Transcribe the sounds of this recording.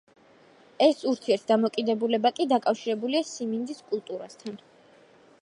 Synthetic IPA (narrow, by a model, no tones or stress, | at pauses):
ɛsuɾt̪ʰiɛɾt̪̚ʰd̪amɔkʼid̪ɛbulɛbakʼid̪akʼafʃiɾɛbuliasimind̪iskʼulˠt̪ʼuɾast̪ʰan